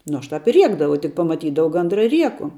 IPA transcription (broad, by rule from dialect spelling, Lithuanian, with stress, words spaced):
ˈnʊ ˈɐʃ ˈtɑːp ɪ ˈrʲiɛɡdɐʋɐʊ tʲɪk pɐmɐˈtʲiːdɐʋɐʊ ˈɡɐndrɐ ɪ ˈrʲiɛkʊ